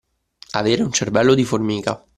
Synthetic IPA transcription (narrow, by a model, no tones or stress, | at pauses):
aveːɾeunt͡ʃervɛlːod̪iformiːka